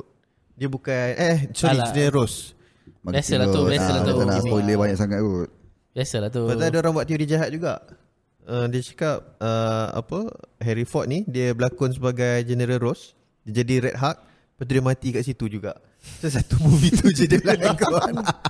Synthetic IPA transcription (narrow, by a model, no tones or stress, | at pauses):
diəbukanʔəhsɔɾid͡ʒɛnəɾəɾos | maɡbasəlaosəaanasoləbaɲaʔsaŋat̪̚ɡot̪̚ | basəlat̪obasaadəoɾaŋbuaʔt̪ijudid͡ʒaɦat̪̚d͡ʒuɡa̰ʔ | ədiət͡ʃḁkap̚əa̰pəɦɛɾifɔt̪̚nidiəbəlakʊns̬əbaɡajd͡ʒɛnəɾəlɾos | diəd͡ʒadiɾɛt̪̚ɦak̚ | pat̪udiəmãt̪ikaʔsit̪ud͡ʒuɡa̰ʔ | sos̬at̪umuvit̪ud͡ʒədəlanakoan